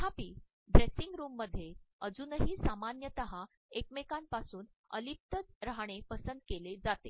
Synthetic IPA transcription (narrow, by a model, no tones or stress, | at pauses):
ɦapiː | ɖɾesiŋɡɾuːmːəd̪ʱːjeəd͡zunəɦiːsamanjət̪əɦa | ekmekampasuːn | ə̰lip̚t̪əd͡zɾaɽ̃epəsənd̪̚keled͡zat̪e